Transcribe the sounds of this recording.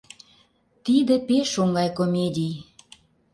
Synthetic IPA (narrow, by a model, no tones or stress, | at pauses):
t̪id̪ĕpeʃoŋɡɑjkomʲedʲij